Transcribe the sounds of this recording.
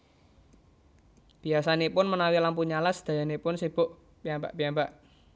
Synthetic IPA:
b̥i̤asanepʊnmənawilampuɲalasd̪̥a̤janepʊnseb̥ʊʔ | piamba̰ʔpiambaʔ

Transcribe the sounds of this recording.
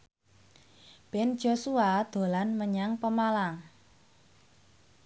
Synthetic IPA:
b̥ɛn̥d͡ʒ̥osuad̪̥o̤lanməɲaŋpəmalaŋ

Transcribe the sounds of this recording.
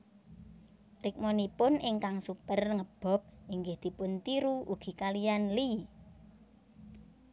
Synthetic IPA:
rɪk̚monipʊnʔɪŋkaŋsupərŋəb̥ɔ̤p̚iŋɡɪhd̪̥i̤pʊnt̪iɾuuɡ̥i̤kalijanli

